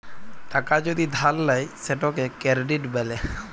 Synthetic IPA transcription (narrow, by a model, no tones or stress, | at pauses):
ʈakad͡ʑod̪id̪ʱalːajseʈɔkekɛɾɖiʈbɛle